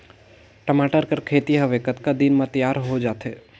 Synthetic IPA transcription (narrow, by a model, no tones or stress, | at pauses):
ʈəmaːʈəɾkəɾkʰeːt̪iɦɐʋeːkət̪kad̪inmãt̪əjaːɾɦod͡ʒaːt̪ɦeː